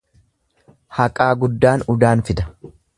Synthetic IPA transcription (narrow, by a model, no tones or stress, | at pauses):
hɐkʼaːɡʊd̪ːaːnʊd̪aːnfɪd̪ɐ̥